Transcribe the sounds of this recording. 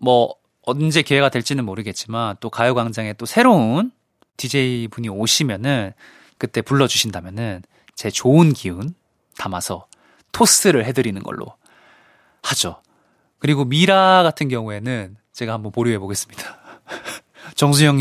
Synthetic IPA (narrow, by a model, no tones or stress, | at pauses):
mʌ | ʌnd͡ʑe̞kewe̞ɡadwe̞ɭt͡ɕ͈inɯnmoɾɯɡe̞t̚t͡ɕ͈imant͈okajoɡwaŋd͡ʑaŋe̞t͈osʰe̞ɾon | tid͡ʑe̞ibuɲioɕʰimjʌnɯn | kɯt͈e̞puɭːʌd͡ʑuɕʰindamjʌnɯn | t͡ɕe̞t͡ɕoɯnkiun | tamasʰʌ | tʰos͈ɯɾɯɭɦe̞dɯɾinɯnɡʌ̰ɭːʔo̰ | had͡ʑo | kɯɾiɡomiɾaɡatʰɯnɡjʌŋue̞nɯn | t͡ɕe̞ɡahambʌnpoɾjiɦe̞boɡe̞s͈ɯ̥mɲid̥ḁ | t͡ɕʌŋs̬ʰuɲjʌŋ